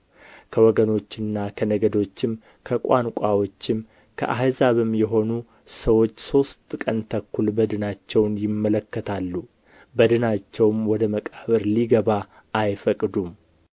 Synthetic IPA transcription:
kʰəwɔɡəno̞t͡ʃːɪnːakʰənəɡəd̪o̞t͡ʃːɪm | kʰəkʼankʷʼawo̞t͡ʃːɪm | kʰə̰ʔaɦazaβɨmjɛɦo̞nu | səwo̞t͡ʃːso̞st̪ʼkʼənt̪ʰəkːulbəd̪ɨnat͡ʃːɛwnjɪmːələkːət̪ʰalːu | bəd̪ɨnat͡ʃːɛwmwɔd̪əməkʼəβɨɾliɡəβa | ʔːjfəkʼd̪um

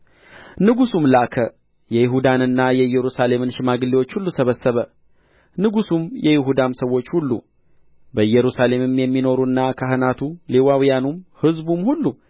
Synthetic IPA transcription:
nɨɡusumlakʰə | jɛjɪɦud̪anɨnːajɛɨjːɛɾusale̞mɨnʃɪmaɡɨliwo̞t͡ʃːhulːusəβəsːəβə | nɨɡusumjɛjɪɦud̪ansəwːo̞t͡ʃːhulːṵ | bəjːɛɾusale̞mmjɛmːino̞ɾuɨnːakʰaɦɨnat̪ʰulewawijanumhɨzbumhulːu

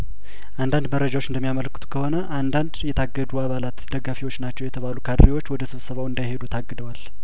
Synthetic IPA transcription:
ʔand̪and̪məɾːəd͡ʒawot͡ʃːɨnd̪əmijamələkːɨ̥t̪ʰu̥kʰəho̞nəʔand̪and̪jɛt̪ʰaɡːəd̪uaβalat̪d̪əɡafiwo̞t͡ʃːnat͡ʃːɛwjɛt̪ʰəβalukʰad̪ɾiwo̞t͡ʃːwɔd̪əsɨβsəβawɨnd̪ajhe̞d̪ut̪ʰaɡːɨd̪əwal

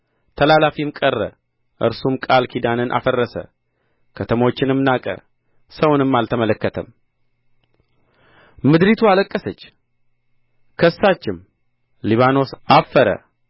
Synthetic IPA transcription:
t̪ʰəlalafimkʼərːə̰ | ʔɨ̰ɾsumkʼalkʰid̪anɨnʔa̰fərːəsə̰ | kʰət̪ʰəmo̞t͡ʃːɪnɨmnakʼə̰ | səwnɨmːalt̪ʰəmələkːət̪ʰəm | mɨd̪ɾit̪ʰualəkʼːəsət͡ʃː | kʰəsːat͡ʃːɪm | liβano̞safːəɾə̰

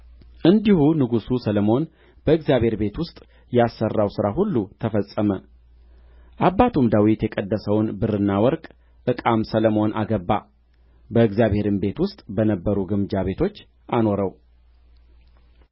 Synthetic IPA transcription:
ʔɨnd̪ihunɨɡususələmo̞n | b̥əɨɡzjaβhe̞ɾbe̞t̪wʊst̪ʼ | jasːərːawsɨɾaɦulːut̪ʰəfəsʼːəmə | ʔabːat̪ʰumd̪awit̪jɛkʼəd̪ːəsəwnbɨrɨnːawɔɾkʼ | ʔɨkʼamsələmo̞nʔaɡəbːa̰ | bəɨɡzjaβhe̞ɾɨmbe̞t̪wʊst̪ʼbənəbːəɾuɡɨmd͡ʒaβe̞t̪ʰo̞t͡ʃː | ʔano̞ɾəw

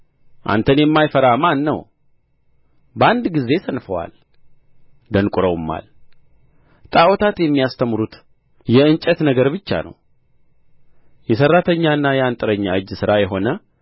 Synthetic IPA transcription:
ʔa̰nt̪ʰənjɛmːajfəɾamanːə̰w | bəand̪ɡize̞sənfəwa̰l | d̪ənkʼuɾəwmːa̰l | t̪ʼawɔt̪ʰat̪jɛmːijast̪ʰəmɾut̪ | jɛɨnt͡ʃʼɛt̪nəɡəɾbɨt͡ʃːa̰nə̰w | jɛsərːat̪ʰəɲːaɨnːajɛant̪ʼɨɾəɲːaɨd͡ʒːsɨɾajɛɦo̞nə

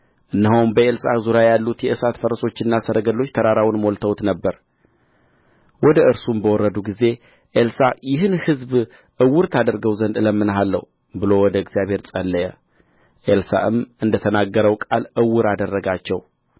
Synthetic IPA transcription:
ʔɨnːɨɦowmbəʔelsazuɾjajalːut̪jɛʔɨsat̪fəɾəso̞t͡ʃːɪnːasəɾəɡəlːo̞t͡ʃːt̪ʰəɾaɾawnmolt̪ʰəwt̪nəbːəɾ | wɔd̪əɨɾsumbəwɔrːəd̪uɡize̞ | ʔelsajɪɦɨnhɨzb | ʔɨwːʊɾt̪ʰad̪əɾɡəwzənd̪ɨləmːɨnɦalːə̰w | bɨlo̞wɔd̪əɪɡzijaβhe̞ɾt͡sʼəlːəjɛ | ʔelsa̰ʔɨmɨnd̪ət̪ʰənaɡːəɾəwkʼa̰lʔɨwːʊɾad̪ərːəɡat͡ʃːɛw

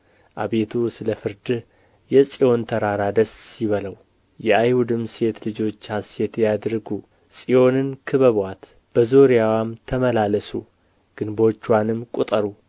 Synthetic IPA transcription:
ʔaβe̞t̪ʰusɨləfɨɾd̪ɨ | jɛsʼijo̞nt̪ʰəɾaɾad̪əsɪβələw | jɛajhud̪ɨmse̞t̪lɨd͡ʒo̞t͡ʃːhase̞t̪jad̪ɾɨɡu | sʼijo̞nɨnkʰɨβəβwat̪ | b̥əzoɾijawamt̪ʰəməlaləsu | ɡ̥ɨnbo̞t͡ʃːwanɨmkʼut̪ʼəɾu

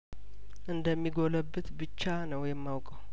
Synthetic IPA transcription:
ʔɨnd̪əmːiɡoləbːɨt̪bɨt͡ʃːanəwjɛmːawkʼəw

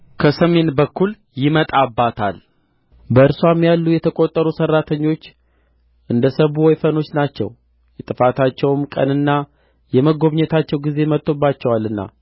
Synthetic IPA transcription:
kʰəsəme̞nbəkːul | jɪmət̪ʼabːat̪ʰa̰l | bəɨɾsuwamjalːujɛt̪ʰəkʼo̞t̪ʼːəɾusərːat̪ʰəɲːo̞t͡ʃː | ʔɨnd̪əsəβuwɔjfəno̞t͡ʃːnat͡ʃːɛ̰w | jɛt̪ʼɨfat̪ʰat͡ʃːɛwmkʼə̰nɨnːa | jɛməɡo̞βɲɛt̪ʰat͡ʃːɛwɡize̞mət̪ʼːo̞bːat͡ʃːɛwalːɨnːa̰

